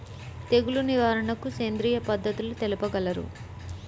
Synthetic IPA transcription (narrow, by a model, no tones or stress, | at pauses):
t̪e̞ɡuluniʋaːɾɐɳɐkukeːnd̪ɾiːjɐpɐd̪ʱːɐt̪ulut̪elipɐɡɐlɐɾṵ